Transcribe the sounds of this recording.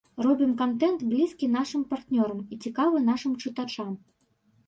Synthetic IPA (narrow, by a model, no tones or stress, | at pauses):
rɔbʲimkant̪ɛnt̪blʲiskʲin̪aʂɨmpart̪nʲɔɾɐmit͡sʲikavɨnaʂɨmt͡ʂɨt̪at͡ʂam